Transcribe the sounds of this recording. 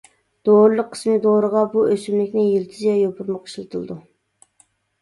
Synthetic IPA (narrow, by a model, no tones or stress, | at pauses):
d̪̥oɾɨlˠəqʰːə̥smɪd̪oɾəʁɑbuʔøsymlɪkʲnɪjelt̪ʰɪzjɛjopʰʊɾməqʰːə̥ʃlˠɨt̪ʰɨlˠd̪u